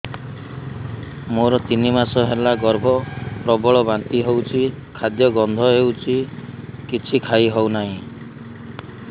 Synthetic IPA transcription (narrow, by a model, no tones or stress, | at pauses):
moɾɔt̪inimasɔɦelaɡɔɾbʱɔpɾɔbɔɭɔbant̪iɦewt͡ʃʰikʰad̪jɔɡɔnd̪ʱɔɦewt͡ʃʰikit͡ʃʰikʰaiɦownaɦĩ